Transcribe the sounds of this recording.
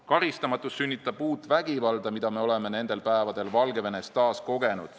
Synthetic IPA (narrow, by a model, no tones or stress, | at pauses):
kɑɾist̪ɑmɑt̪ːˑusːynʲːit̪ːˑɑb̥uːt̪ˑvæɡ̥ivɑld̪̥ɑmid̪̥ɑme̞o̞le̞me̞ne̞nd̪̥e̞lpæevɑd̪̥e̞lvɑlɡe̞ve̞ne̞st̪ɑːsko̞ɡe̞nṵd̪̥